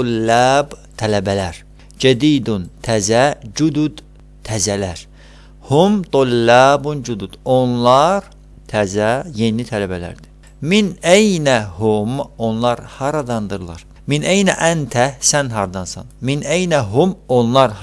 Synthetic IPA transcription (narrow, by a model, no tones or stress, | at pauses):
lːæbt̪ʰælæbælæɾ | d͡ʒæd̪iːd̪unt̪ʰæzæd͡ʒud̪ud̪ | t̪ʰːæzælæɾ | humt̪olːɑbund͡ʒud̪ud̪̥onlˠɑɾ | t̪ʰæzæjenit̪ʰælæbælæ̰ɾd̪i | minejnæhumonlˠɑɾhɑɾɑd̪ɑnd̪ɯɾlˠɑ̰ɾ | minʔejnæʔænt̪ʰæsænɦɑɾd̪ɑnsɑ̰nminejnæɦumonlˠɑɾ